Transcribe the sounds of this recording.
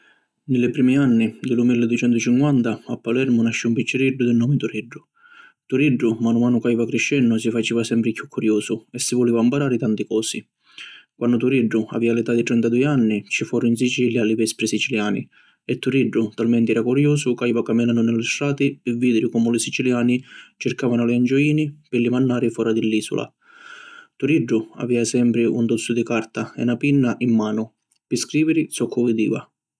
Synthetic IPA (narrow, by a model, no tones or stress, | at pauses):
nɪlɪpɾiːmianːid̪ɪlumilːɪd̪uʊt͡ʃɛnt̪ʊt͡ʃiŋkwant̪aapːalɛɾmʊnaʃːiumpit͡ʃːɪɾiɖːʊd̪ɪnːɔːmɪt̪uɾiɖːʊ | t̪uɾiɖːʊmanʊmaːnʊkaivakɾiʃːɛnːʊs̬ifat͡ʃiːvasɛmpɾɪkjukːuɾjɔːsʊɛsːivʊliːvampaɾaːɾɪt̪ant̪ikɔːsi | kwanːʊt̪uɾiɖːʊa̰viːalɪt̪ad̪ːit̪ɾɛnt̪ad̪uːjanːit͡ʃifɔːɾʊinsit͡ʃiljalɪvɛspɾɪsit͡ʃiljaːnḭ | ɛt̪ːuɾiɖːʊt̪almɛnt̪iɾakuɾjuːsʊkajvakamːinanʊnɪlːɪsɾaːt̪ɪɛvːiːd̪ɪɾɪkɔmʊlɪsit͡ʃiljaːnit͡ʃɪɾkaːvanʊlɪand͡ʒɔiːnipɪlimanːaːɾɪfɔːɾad̪ɪlːiːsʊ̰lʔa̰ | t̪uɾiɖːʊa̰viːasɛmpɾɪʔunt̪ɔt̪sːʊd̪ikaɾt̪aɛ̰napinːaʔimːaːnʊ | pɪskɾiːvɪɾɪsɔkʰːʊvɪd̪ḭːva̰